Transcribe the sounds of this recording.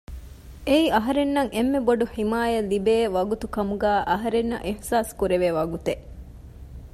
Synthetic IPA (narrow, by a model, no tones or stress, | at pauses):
eiɐɦɐɾenːɐŋemːeboɖuħimaːjɐlːibeːʋɐɡut̪ukɐmuɡæːʔɐɦɐɾenːɐ̰ʔihsaːskuɾeʋeʋɐɡut̪e